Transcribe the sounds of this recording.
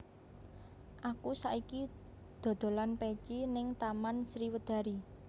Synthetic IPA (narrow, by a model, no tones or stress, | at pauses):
ʔakusaʔiki | d̪̥o̤d̪̥o̤lanpet͡ʃinɪŋt̪amansɾiwəd̪̥ä̤ɾi